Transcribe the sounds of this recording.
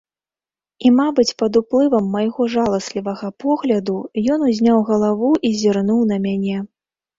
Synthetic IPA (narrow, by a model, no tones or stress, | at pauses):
imabɨt͡sʲpɐd̪uplˠɨvɐmːɐjɣɔʐalˠɐsʲlʲivɐɣɐpɔɣlʲɐd̪ujɔnuzʲnʲawɣɐlˠavuʔizʲirnuwn̪ɐmʲanʲɛ